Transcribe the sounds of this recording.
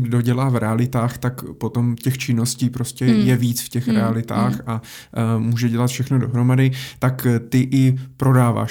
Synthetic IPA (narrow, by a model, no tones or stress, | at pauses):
ɡdo̞ɟɛlaːvɾɛalɪt̪aːxt̪akpo̞t̪o̞mcɛxt͡ʃɪno̞sciːpɾo̞scɛjɛviːt͡sfcɛxɾɛalɪt̪a̰ːxa | muːʒɛɟɛlat̪fʃɛxnodo̞ɦɾo̞madɪt̪akt̪ɪʔɪpɾo̞daːva̰ːʃ